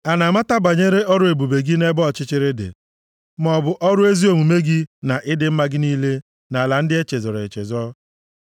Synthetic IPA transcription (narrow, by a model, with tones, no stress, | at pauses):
a˨na˨ma˦ta˦ba˨ɲe˦ɾe˦ɔ˦ɾʊ˦e˨bu˨be˨ɡi˦ne˦bɔ˦˨t͡ʃɪ˦t͡ʃɪ˦ɾɪ˦dɪ̰˨ | m˦ɔ˨bʊ˨ʔɔ˦ɾʊ˦e˦zi˦o˨mu˨me˦ɡi˦na˨ʔɪ˦dɪ˦m̩˦ma˦ɡɪ˦niː˦le˦ | na˨a˨la˨n̩˦dɪ˦e˦t͡ʃe˨zɔ˨ɾɔ˨e˨t͡ʃḛ˨zɔ˦